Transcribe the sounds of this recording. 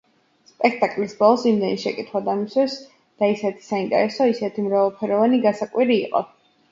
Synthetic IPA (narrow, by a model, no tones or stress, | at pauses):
spʼɛkʰt̪ʼakʼlisbɔlˠsimd̪ɛniʃɛkʼit̪ʰχwad̪amisɛs | d̪̥aisɛt̪ʰi̥saint̪ʼɛ̰ɾɛsɔisɛt̪ʰimɾavɛlˠpʰɛɾɔvaniɡasakʼwiɾiːqʼɔ̰